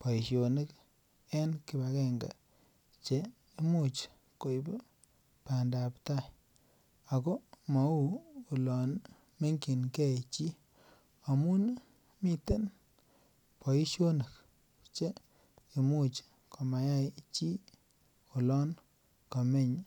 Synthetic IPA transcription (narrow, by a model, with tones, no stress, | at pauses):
pɔ˨i˨ʃjo˨nə˦k | ɛ˦nki˨ba˨kɛ˦˨ŋɡa̰˨ | t͡ʃe˦ | i˦mu˦˨t͡ʃ | ko˨jb | pa˨nda˨pta˦j | a˨kɔ˦ma˨uː˦˨lɔ˨n | me˦ŋki˨nkɛ˦˨t͡ʃi˦ | a˨mu˦n | mi˦te˦n | pɔ˨i˦ʃjo˦nə˨k̚ | t͡ʃe˦ | i˨mu˦t͡ʃ | ko˨ma˨ja˦jt͡ʃi˦ | o˨lɔ˦n | ka˨me˦˨ɲ